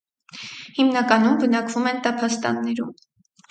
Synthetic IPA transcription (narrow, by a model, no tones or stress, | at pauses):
himnɑkɑnumbənɑkvumɛnt̪ɑpʰɑst̪ɑ̰nːɛɾṵm